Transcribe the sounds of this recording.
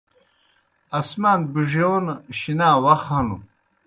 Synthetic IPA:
asmaːnbiʐionɕinaːwaxhanu

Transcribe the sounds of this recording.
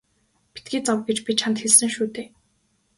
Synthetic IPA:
pi̥t̪̚ɡiːt͡sɔwɡet͡ɕpʲit͡ɕʰant̪xeɮsɘ̆ŋʃuːt̪eː

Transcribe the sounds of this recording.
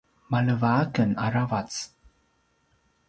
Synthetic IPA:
maləvaakənaɾavat͡s

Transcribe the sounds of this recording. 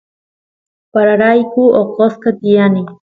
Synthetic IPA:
paɾaɾajkuoqoskat̪ijani

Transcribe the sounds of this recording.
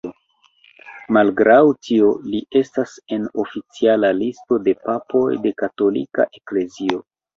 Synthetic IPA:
o | malɡɾʔawtioliʔe̞stase̞no̞fit͡sialalisto̞de̞papo̞̰jde̞kato̞lika̰ʔekle̞zio̞

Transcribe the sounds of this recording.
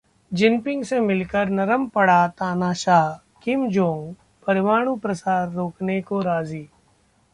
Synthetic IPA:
d͡ʒɪnpɪ̃ŋɡsemɪlkəɾnɐɾəmpɐɽat̪aːnaːʃaːɦ | kɪmd͡ʒõːŋɡ | pɐɾɪʋaːɽ̃ũpɾəsaːɾːoːknekoɾaːziː

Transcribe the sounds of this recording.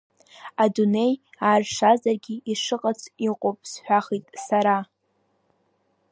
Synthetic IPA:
adune̞jaːrʂazarɡʲiiʂɨqʼat͡sʰʼiqʼopʼsħʷᶣaχitʼsaɾa

